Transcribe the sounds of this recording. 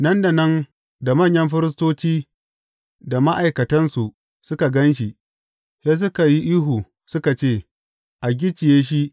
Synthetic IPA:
nɐ˦nda˨nɐ˦n | da˨mɐ˦˨ɲjɐ˦mɸɪ˦ɾɪ˦s̬toː˦t͡ʃiː˦ | da˨ma˦ʔa˨jkɐ˨tɐ˦nsu˨ʔ | sʊ˦ka˨ɡɐ˦nʃ̬i˨ʔ | se˦s̬ʊ˦ka˨ji˦ʔiː˦ɦuː˨ | sʊ˦ka˨t͡ʃeː˦˨ | ʔa˨ɡʲɪ˦t͡ʃɪ˨jeː˦ʃ̬i˦ʔ

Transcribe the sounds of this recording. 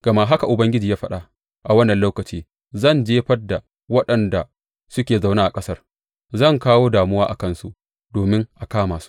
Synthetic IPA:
ɡ̥ɐ˨ma˦ɦa˦ka˨ʔʊ˨bɐ˦ŋɡʲɪ˦d͡ʒiː˨jaː˦ɸɐ˦ɗa˦ | ʔa˨wɐ˦nːɐ˨nloː˦wkɐ˨t͡ʃiː˦ | zɐ˦˨nd͡ʒeː˦ɸɐ˦da˨ | wɐ˦ɗɐ˨nda˨ | sʊ˦kʲeː˨za˨wnaː˦ʔa˨kʼɐ˦sɐ˦r | zɐ˦˨ŋkaː˦woː˦daː˨mʊ˦waː˦ʔa˨kɐ˦nsṵ˦ʔ | doː˨mɪ˦ŋʔa˨kaː˦maː˨su̥˦ʔ

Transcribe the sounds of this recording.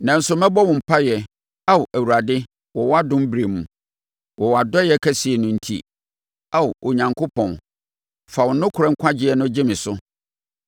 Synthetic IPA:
nã˨n̩˦sʊ˦mɛ̃˦bɔ˦wʊ̃˨m̩˨pʰa˦jɛ˨ | a˦wʔæ˨wu˨a˨dɪ˦ | wɔ˨wɔ˦a˦dʊ̃˦m˦bɾe˨mũ˨ | wɔ˨wa˨dɔ˦jɛ˦kʰæ˦si˨ɛ˨nʊ̃˦n̩˦tʰi˦˨ | a˦˨o˨ɲã˨ŋkʰʊ˦pʰɔ̃˨n | fa˨wʊ˨˦nʊ̃˦kʰʊ˨ɾɛ˦ŋ̩˦kʷʰa˦d͡ʑɪ˦ɛ˨nʊ̃˦d͡ʑɪ˦mɪ̃˨sʊ˦

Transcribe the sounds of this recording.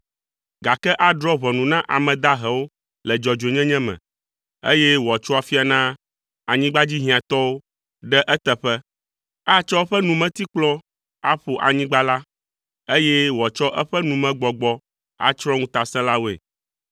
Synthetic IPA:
ɡa˨kɛ˦ʔa˦ɖɾɔ˦βɔ˨nũ˨nã˦ʔa˨mɛ̃˨d̪a˦ɦɛ˨wo˦ | lɛ˨d͡ʒɔ˨d͡ʒe˨ɲɛ̃˦ɲɛ̃˦mɛ̰̃˨ | e˦jɛ˦wt͡ʃɔ˦a˨fi˦a˨nã˦ | a˨ɲĩ˦ɡ͡ba˦d͡ʑi˦ɦĩ˨ã˨t̪ɔ˦wo˦ | ɖɛ˦ʔɛ˦t̪ɛ˨ɸɛ˦ | a˦t͡ʃɔ˦o˦ɸɛ˦nũ˨mɛ̃˦t̪i˦k͡plɔ̃˦ | a˦ɸo˨ʔa̰˨ɲĩ˦ɡ͡ba˦la˦ | e˦jɛ˦wɔ˨t͡ʃɔ˦ʔɛ˦ɸɛ˦nũ˨mɛ̃˨ɡ͡bɔ˨ɡ͡bɔ˦ | a̰˨t͡ʃɾɔ˦ŋũ˦t̪a˨sɛ̃˦la˦wo˦˨ḛ˨

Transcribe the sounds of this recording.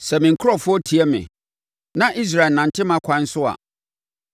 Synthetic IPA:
sɛ˨mɪ̃˨ŋ̩˨kʰʊ˦ɾɔ˦˨fʊ˦ɔ˦tʰi˨ɛ˦mɪ̰̃˨ | nã˦ʔi˦s̬ɾa˨nã˨n˨tʰɪ˦mã˦kʷʰã˨˦n˦sʊ˦a̰˨

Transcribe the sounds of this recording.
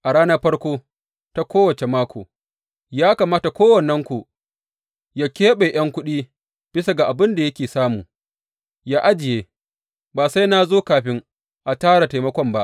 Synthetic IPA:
ʔa˨ɽaː˦nɐ˦ɸɐ˦ɽkʷoː˦ | ta˦kʷoː˦wɐ˨t͡ʃe˨maː˦kʷʰo̰ː˨ | jaː˦kaː˨maː˦ta˨kʷoː˦wɐ˨nːɐ˦ŋkʷu˨ | ja˦kʲeː˦ɓe˨j̰ɐ˦ŋkʷʊ˦ɗiː˦ | b̥ɪ˦sa˨ɡa˨ʔa˨bɪ˦nda˨jɐ˦kʲeː˨saː˦muː˨ | jaː˦ʔa˦d͡ʒɪ˨jeː˦ | baː˨sa˦jna˦zoː˦kaː˨ɸɪ˦ŋ | ʔa˨taː˦ɽa˨ta˨jmɐ˦kʷɔ˦mba˦ʔ

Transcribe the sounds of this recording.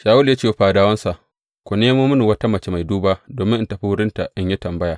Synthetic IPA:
ʃaː˨wʊ˦lja˦t͡ʃeː˦˨ɸaː˨daː˦wɐ˦nsa˨ʔ | kʷo˨neː˦mu˦mʊ˦nu˨wɐ˦ta˦mɐ˨t͡ʃe˦ma˨jduː˦baː˦ʔdoː˨mɪ˦ʔɪ˦ntɐ˨ɸi˦wʊ˦ɽɪ˦nta˨ʔɪ˦ɲji˦tɐ˨mbɐ˦jaː˨

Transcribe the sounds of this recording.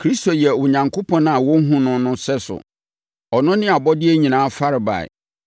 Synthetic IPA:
kʰɾi˦sto˨jɛ˨wʊ˨ɲã˨ŋkʰo˦pʰɔ̃˦na˨wɔ˦ŋ̩˦ɦũ˦nʊ̃˦nʊ̃˦sɛ˦sʊ̰˨ | ɔ˨nʊ̃˦nɪ̃˦a˨bɔ˦dɪ˦ɛ˦ɲĩ˨nãː˨˦fa˦ɾɪ˨ba̰˨ɛ̰˨

